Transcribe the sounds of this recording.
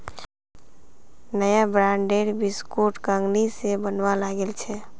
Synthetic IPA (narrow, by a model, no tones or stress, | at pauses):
nəjabɾaɳɖeɾbiskoʈkaŋɡnisebənʋalaɡelt͡ʃʰɛ